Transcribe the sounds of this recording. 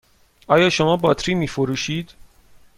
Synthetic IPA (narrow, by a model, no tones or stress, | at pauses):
ʔɒːjɒːʃomɒːbɒːt̪ʰɾiːmiːfoɾuːʃiːd̪̥